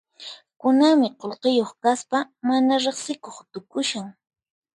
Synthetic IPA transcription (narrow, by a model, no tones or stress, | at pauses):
kʊnamɪqolqejoχkaspamanaɾeχsɪkoχt̪ʊkʊʃaŋ